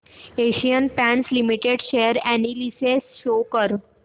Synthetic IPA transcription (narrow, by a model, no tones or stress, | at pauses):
eɕijənpænslimiʈeɖɕejəɾænilisesʃokəɾ